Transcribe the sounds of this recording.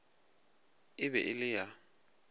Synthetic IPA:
ɪβɛ̰ʔɪlɪja

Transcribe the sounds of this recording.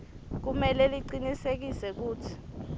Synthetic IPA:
k̬umɛlɛliǀinisek̬isɛk̬uːtʰi̥

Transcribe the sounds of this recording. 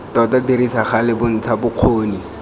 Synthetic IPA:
tɔtadirisaχalɪbʊn̩t͡sʰabʊq͡χʰoːni

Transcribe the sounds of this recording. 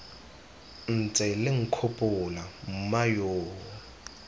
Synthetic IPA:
n̩t͡sʼɛlɪŋ̩kʰopʼʊlam̩majoːɔ

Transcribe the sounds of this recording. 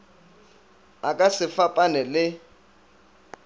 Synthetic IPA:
akʼasɪfapʼanɛlɪ

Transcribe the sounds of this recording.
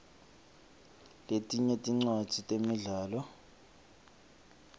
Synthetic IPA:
letʼiɲɛtʼiŋ͡ǀwḁtʰitʼemiɮaːlɔ

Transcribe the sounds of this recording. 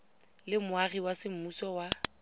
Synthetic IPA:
lɪmʊariwasɪm̩musɔwa

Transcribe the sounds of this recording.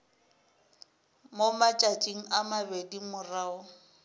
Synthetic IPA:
momat͡ʃʼat͡ʃʼiŋ̩amabedimʊraʊ

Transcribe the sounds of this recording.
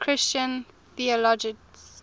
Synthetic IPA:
kʰɹɪst͡ʃə̃n | θiɔlɔd͡ʒɪks

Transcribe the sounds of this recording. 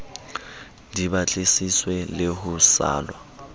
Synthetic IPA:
dibat͡ɬʼesiswɛlɪɦʊsa̰ːlwa

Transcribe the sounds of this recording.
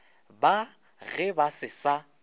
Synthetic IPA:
ba | ɣɛbasɪsa

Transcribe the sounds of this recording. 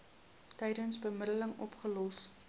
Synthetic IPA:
tɛjdənsbəməɾələŋɔ̰pχəlɔs

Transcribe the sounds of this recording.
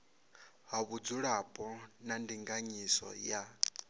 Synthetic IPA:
ɦaβud͡zuɺapʼɔnandiŋɡaɲisɔ̰ja

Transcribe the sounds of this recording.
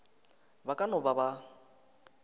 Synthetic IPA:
bakʼanɔbaba

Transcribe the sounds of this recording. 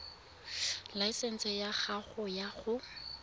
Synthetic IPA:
laisɛn̩sɛjaχaχʊjaχʊ

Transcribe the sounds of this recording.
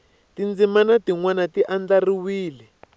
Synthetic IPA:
tind͡zimanatiŋwanatiʔand͡ɮariwiːlɛ

